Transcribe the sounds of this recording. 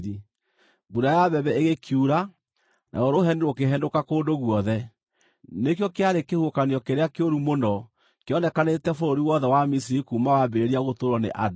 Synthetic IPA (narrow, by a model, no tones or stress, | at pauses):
ði | buɾajaβɛβɛeɣekʰjuɾa | nʔa̰ɣɔɾoɦɛneɾokeɦɛndokakoːndoɣwɔðɛ | nekjɔkeaɾekehuokaniɔkeɾeakeoɾumonɔ | keɔnɛkanetɛfoɾoɾiwɔðɛwamis̬iɾikumawabeɾeɾiaɣotoɾɔnḛʔad